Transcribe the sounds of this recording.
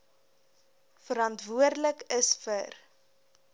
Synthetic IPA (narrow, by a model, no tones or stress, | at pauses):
fəɾɐntvuərdləkəsfər